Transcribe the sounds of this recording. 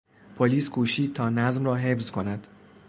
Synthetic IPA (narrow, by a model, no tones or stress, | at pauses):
pʰoliːskʰuːʃiːt̪ʰɒːnæzmrɒːɦe̞fzkʰo̞næd̪̥